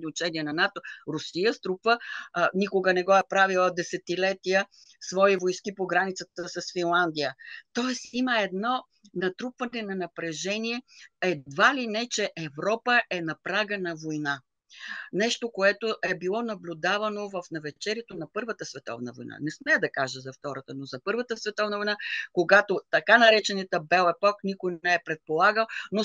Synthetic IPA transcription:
nʲiʊt͡ʃɛnʲiɛnɐnat̪oɾʊsijəst̪ɾupvənikoɡənɛɡɔɛpɾavilˠəd̪ɛsɛt̪ilɛt̪ijə | svɔivojskipoɡɾanit̪sət̪əsɐsfinlˠand̪ijət̪ɔɛsiməɛd̪nɔ | nɐt̪ɾupvɐnɛnɐnɐpɾɛʒɛniɛɛd̪valinɛt͡ʃɛʔɛvɾɔpəʔɛnɐpɾaɡənɐvojna | nɛʃt̪okoɛt̪oʔɛbilˠɔnɐblʲʊd̪avɐnovɐfnɐvɛt͡ʃɛɾʲɛt̪onɐpɤɾvət̪əsvɛt̪ɔ̰vnəvo̰jna̰nɛsmɛjəd̪ɐkaʒəzɐft̪ɔɾət̪ənozɐpɤɾvət̪əsvɛt̪ɔvnəvojnakoɡat̪ot̪ɐkanɐɾɛt͡ʃɛnɛt̪əbɛlˠɛpɔknikʊj̪ɛɛpɾɛt̪̚polˠaɡəlˠno

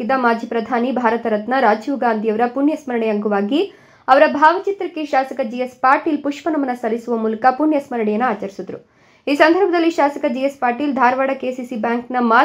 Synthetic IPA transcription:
id̪ːɐmaːd͡ʒʱipɾɐd̪ʱaːnibʱaːɾɐt̪ɐɾɐt̪nɐɾaːd͡ʒjuʋɡaːnd̪ʱijɐʋɐɾɐpuɳjɐsmɐɾɐɳɛɐŋɡuʋaːɡi | ɐʋɐɾɐbʱaːʋɐt͡ʃit̪ɾɐkːeʃaːsɐkɐd͡ʒijespaːɾʈiːlpuʂpɐnɐmɐnːɐsɐlisuʋɐmuːlɐkɐpuɳjɐsmɐɾɐɳɛjɐnːuaːt͡ʃɐɾisud̪ɾu | iːsɐnd̪ʱɐɾbʱɐd̪ɐlːiʃaːsɐkɐd͡ʒijespaːɾʈiːld̪ʱaːɾʋaːɽɐkeːsisibjaːŋknɐmaː

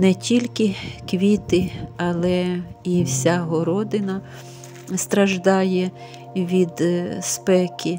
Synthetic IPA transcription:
nɛtʲilʲkɪkʋʲit̪ɪɐlˠɛiwsʲaɦɔɾɔd̪ɪnɐ | st̪ɾɐʒd̪ɑjɛ | ʋʲid̪spɛkʰʲɪ

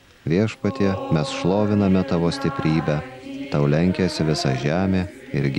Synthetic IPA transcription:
ʋʲiɛʃpɐt̪ʲiɛmʲɛsʃlˠoːʋʲɪnɐmʲɛt̪ɑʋoːsʲt̪ʲɪpʲɾʲiːbʲɛt̪ɐʊlʲɛŋʲkʲesʲɪʋʲɪsɑʒʲæːmʲeːɪɾʲɡʲ

